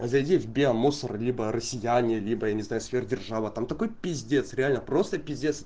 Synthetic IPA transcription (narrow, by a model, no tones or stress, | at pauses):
zɐjdʲivʲbʲemosərlʲibərəsʲːɪjænʲɪəlʲibəjanʲɪznajʊsfʲerdʲɪrʐavət̪amt̪ɐko̞jpʲɪzʲdʲe̞t̪sɾʲɪalʲnəpɾo̞st̪əpʲɪzʲdʲet̪s